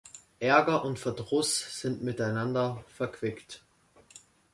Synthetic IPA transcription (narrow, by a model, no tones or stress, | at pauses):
ʔɛɐɡɐʔʊntfɛɐdʁʊsz̥ɪntmɪtaɪnandɐfɛɐkv̥ɪkt